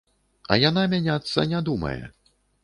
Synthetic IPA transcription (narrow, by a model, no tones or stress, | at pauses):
ɐ̰janamʲanʲat̪sːɐ̰nʲad̪umɐ̰jɛ̰